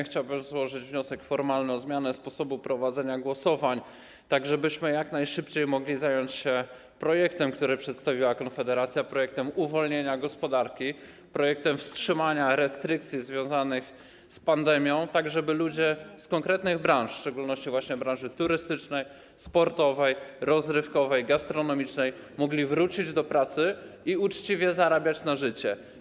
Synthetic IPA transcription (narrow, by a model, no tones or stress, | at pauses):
xt͡ɕawbɘmzwɔʐɘd͡ʑvɲɔsɛkfɔɾmalnɘɔzmʲjanɛspɔsɔbupɾɔvad̪zɛɲaɡwɔsɔvaɲ | t̪aɡʐɛbɘɕmɘjaknajʂɘpt͡ɕejmɔɡlʲizajɔɲt͡ɕɕɛ | pɾɔjɛkt̪ɛmkt̪uɾɘpʂɛt̪st̪avʲiwakɔnfɛd̪ɛɾat̪sʲjapɾɔjɛk̚t̪ɛmuvɔlɲeɲaɡɔspɔd̪aɾkʲi | pɾɔjɛk̚t̪ɛmfstʂɘmaɲaɾɛst̪ɾɘk̚t̪sʲjizvʲjɔ̃w̃zanɘx | spand̪ɛmʲjɔ̃w̃t̪aɡʐɛbɘlud͡ʑɛskɔŋkɾɛt̪nɘɣbɾãʂfʂt͡ʂɛɡulnɔɕt͡ɕivwaɕɲɛbɾãñʐɘt̪uɾɘst̪ɘt͡ʂnɛj | spɔɾt̪ɔvɛjɾɔzɾɘfkɔvɛjɡast̪ɾɔnɔmʲit͡ʂnɛjmɔɡlʲivɾut͡ɕid͡ʑd̪ɔpɾat̪sɘiut͡ʂt͡ɕivʲjɛzaɾabʲjat͡ɕnaʐɘt͡ɕɛ